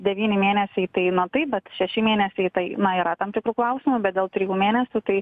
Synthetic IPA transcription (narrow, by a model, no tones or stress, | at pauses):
d̪ʲɛʋʲiːnʲɪmʲeːnʲɛsʲɛɪt̪ɐɪnɐt̪ɐɪpbʲɛt̪ʃʲɛʃʲɪmʲeːnʲɛsʲɛɪt̪ɐɪnɐiːɾɐt̪ɐmt̪ʲɪkɾuːklˠɐʊsʲɪmʊbʲɛt̪̚d̪ʲeːlˠt̪ʲɾʲɪjuːmʲeːnʲɛsʲuːt̪ɐɪ